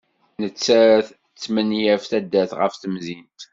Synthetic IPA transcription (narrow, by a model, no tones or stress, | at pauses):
nət͡sːæɾæθ | t͡sːmənjæfθæd̪ːæθʁə̰fθəmzint̪